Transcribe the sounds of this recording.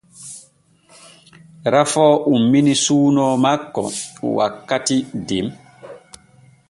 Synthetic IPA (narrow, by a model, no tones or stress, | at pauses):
ɾafɔːʔumːinisuːnɔːmakːɔ̰wa̰kːatidem